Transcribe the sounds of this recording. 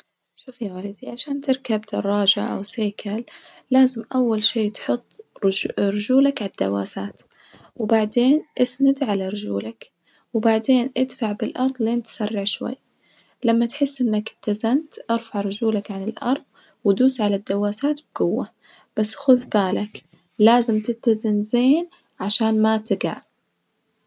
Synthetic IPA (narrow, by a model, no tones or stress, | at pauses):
ʃuːfjawaːlid̪iʕaʃaːnt̪ɪɾkabd̪̥ɑrˤːɑːʒaʔa̰wseːkʰalː | aːzɪmʔawːalʃeːt̪ħʊt̪ˤː | ɾʊd͡ʒuːlakʕad̪̥ːa̰wa̰ːsaːt̪ | wɪbaʕd̪eːnʔɪsnad̪ʕalaɾˤʊd͡ʒṵːlak | wɪbaʕd̪eːnʔɪd̪faʕbɪlʔɑɾˤðˤleːnt̪sarˤːɪʕʃwa̰jːa | lamːat̪ħɪsːʔɪnːakɪt̪ːazant̪ʔɑɾˤfaʕɾˤʊd͡ʒuːlakʕanɪlʔɑ̰ɾˤðˤ | wd̪uːsʕalad̪ːawːaːsaːt̪b̚ɡʊwːa | b̥asːxʊðbaːlak | laːzɪmt̪ɪt̪ːazɪnzeːn | ʕaʃaːnmat̪ɪɡa̰ʕ